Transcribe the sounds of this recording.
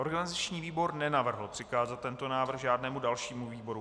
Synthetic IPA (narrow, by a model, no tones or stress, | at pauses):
o̞ɾɡanɪzat͡ʃɲiːviːbo̞ɾnɛnavr̩ɦl̩pr̥ɪkaːzat̪̚ːɛnt̪o̞naːvr̩xʒaːdnɛːmudalʃiːmuviːbo̞ɾu